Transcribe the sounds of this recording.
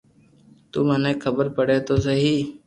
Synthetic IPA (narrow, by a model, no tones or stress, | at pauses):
t̪uːmənẽːkʰəbəɾpəɽeːt̪oːsəɦiː